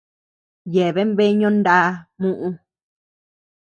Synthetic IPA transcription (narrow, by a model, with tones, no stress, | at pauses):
je˨βe˦mβe˦ɲõ˦nd̪a˦mũ˦ʔũ˧